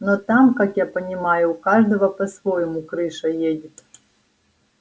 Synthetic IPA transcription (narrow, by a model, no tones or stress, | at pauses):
nɔt̪amkakjapɐnʲɪmajʊːkaʐd̪ɐvɐpɐsvojɪmukɾɨʂɐjedʲɪt̪